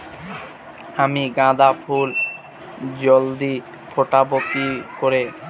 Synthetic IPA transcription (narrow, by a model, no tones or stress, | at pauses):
amiɡãd̪apʰul | d͡ʑold̪i | fʰoʈabokikoɾe